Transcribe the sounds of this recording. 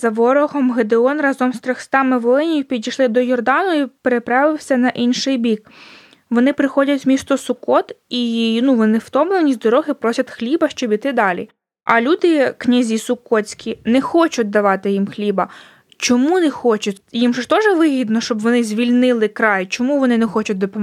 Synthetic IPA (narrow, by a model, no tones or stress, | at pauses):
zɐʋɔɾɔɦɔmɦed̪eɔnrɑzɔmst̪ɾɔxst̪ɑmɪʋɔlˠɪnʲijʊpʲidʲijʃlˠɪd̪ɔjɔrd̪ɑnʊjipeɾepɾɑʋɪwsʲɐnɐʔinʃɪjbʲik̚ | ʋɔnɪpɾɪxɔdʲɐtʲmʲist̪ʊsʊkɔt̪inuʋɔnɪwt̪ɔmlˠɛwnʲizʲd̪ɔɾɔɦɪpɾɔsʲɐt̪xlʲibɐʃt͡ʃɔbʲit̪ɪd̪ɑlʲḭ | ɐ̰lʲud̪ɪknʲɐzʲisʊkɔt͡sʲkʲinɛxɔt͡ʃʊt̚ʲd̪ɐʋɑt̪ɪjimxlʲibɐ | t͡ʃɔmunɛxɔt͡ʃʊtʲjimʃt̪ɔʒɛʋɪɦʲid̪nɔʃt͡ʃɔbʋɔnɪzʲʋʲilʲnɪlˠɪkɾɑjt͡ʃɔmuʋɔnɪnɛxɔt͡ʃʊt̚ʲd̪ɔpɔ